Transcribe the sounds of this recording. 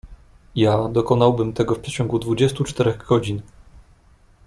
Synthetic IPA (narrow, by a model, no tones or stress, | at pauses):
jad̪ɔkɔnawbɘmt̪ɛɡɔfpʂɛt͡ɕɔŋɡud̪vud͡ʑɛst̪ut͡ʂt̪ɛɾɛɣɡɔd͡ʑin